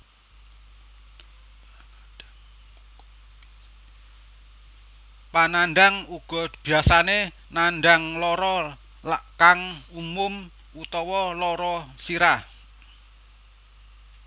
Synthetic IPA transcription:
pananɖaŋuɡ̥ɔ̤b̥i̤asane | nanɖaŋlɔɾɔ | lakaŋumʊm | ut̪ɔwɔlɔɾɔsiɾa

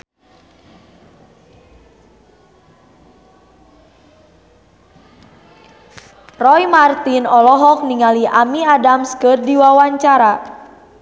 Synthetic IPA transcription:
rɔjmart̪inɔlɔɦɔk̚niŋaliʔamiadamskɨrdiwawaɲt͡ʃaɾa

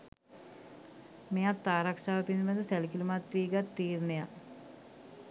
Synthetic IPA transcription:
mejat̪ːaːɾakʂaːʋəpinməd̪əsælkilumat̪ɾiːɡat̪ːiːrneja

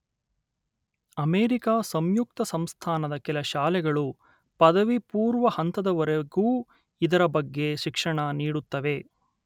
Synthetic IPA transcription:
ɐmeːɾikaːsɐmjuk̚t̪ɐsɐmst̪ʰaːnɐd̪ɐkɛlɐʃaːlɛɡɐɭu | pɐd̪ɐʋipuːɾʋɐhɐnt̪ɐd̪ɐʋɐɾeɡuː | id̪ɐɾɐbɐɡːe̞ʃikʂɐɳɐniːɽut̪ːɐʋe̞

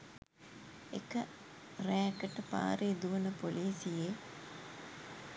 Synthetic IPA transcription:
ḛkə | ræːkəʈəpa̰ːɾeːd̪uʋənəpoliːsije

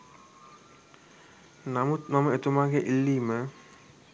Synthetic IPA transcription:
namut̪maməet̪umaːɡeʔilːiːmə

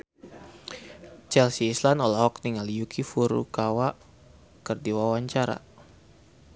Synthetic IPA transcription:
t͡ʃɛlsiːslanɔlɔhɔk̚niŋaljukʰifuɾṵkawaʔ | kərdiwawaɲt͡ʃaɾa̰

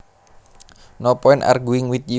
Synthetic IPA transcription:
nɔpɔinʔa̰rɡuiŋwit̪̚d͡ʒi

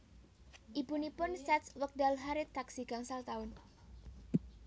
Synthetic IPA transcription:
ʔibunipʊnsɛt̪swək̚dalɦaɾɪt̪aksiɡ̥aŋsalt̪aʊn

